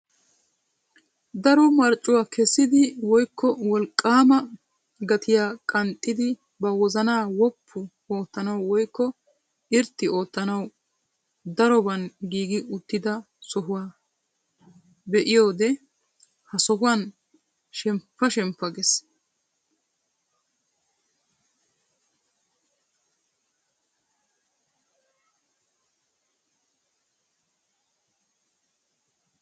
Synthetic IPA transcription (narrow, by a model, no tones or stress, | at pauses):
d̪ɐɾɔmɐɾt͡ʃʼːʊwaːkʰɛsːɪd̪ɪwɔjkːɔwɔlkʼːaːmɐ | ɡɐt̪ʰɪjaːkʼɐnt̪ʼːɪd̪ɪ | bɐwɔzɐnaːwɔpʰːʊ | oːt̪ːɐnɐwwɔjkːɔ | ɪɾt̪ːɪo̞ːt̪ːɐnɐw | d̪ɐɾɔbɐnɡiːɡɪʊt̪ːɪd̪ɐ | sɔɦʊwaː | bɛʔɪjo̞ːd̪ɛ | hɐsɔɦʊwan | ʃɛmpːɐʃɛmpːɐɡɛs